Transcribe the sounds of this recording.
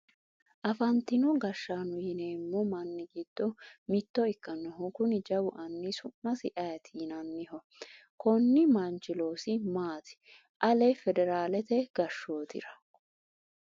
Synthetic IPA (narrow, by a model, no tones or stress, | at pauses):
ʔɐfɐnt̪ɪnɔɡɐʃːaːnʊjɪneːmːɔmɐnːɪɡɪd̪̥ːɔmɪt̪ːɔɪkːɐnːɔɦʊkʊnɪd͡ʒɐwʊʔɐnːɪsʊmːɐsɪʔɐjɐt̪ʰiːnɐnːɪhɔ | kɔnːɪmɐnt͡ʃɪlo̞ːsɪmaːt̪ɪ̥ | ʔɐlɛfɛd̪ɛɾaːlɛt̪ɛɡ̥ɐʃːo̞ːt̪ɪ̰ɾɐ